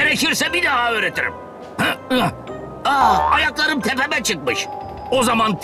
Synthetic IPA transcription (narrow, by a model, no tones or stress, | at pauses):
eɾeciɾsɛbid̪aɦøːɾet̪ʰiɾḭm | hɛ | aa̰jaklˠaɾɯmt̪ʰɛpɛbɛt͡ʃʰɯk̚mɯʃ | ozamant̪